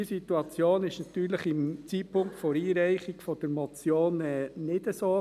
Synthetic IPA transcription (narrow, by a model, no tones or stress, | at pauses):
sit̪uɑt͡sjoːnɪʃnɑt̪yːɾləχɪmt͡siːpʰʊŋktfoɾiːɾɛɪχiɡ̥fɔd̥əɾmɔt͡sjoːnɛːnɪd̥əsoː